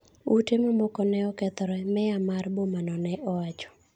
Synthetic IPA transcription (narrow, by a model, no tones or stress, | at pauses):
utɪmɔmɔkɔnɛɔkɛt̪ɔɾɛmɛamarbomanɔnɛʔɔwat͡ʃɔ̥